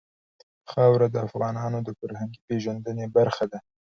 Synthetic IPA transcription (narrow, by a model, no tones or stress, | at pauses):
xɑwɾad̪əafɣɑnɑːnod̪əfaɾhaŋɡipeʒand̪ənebaɾxad̪a